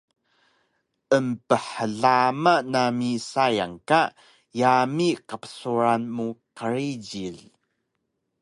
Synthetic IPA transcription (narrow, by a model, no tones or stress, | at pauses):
ʔəmpəħəɮamanamisajaŋka | jamiqəpə̥suɾanmuqəɾid͡ʑiɮ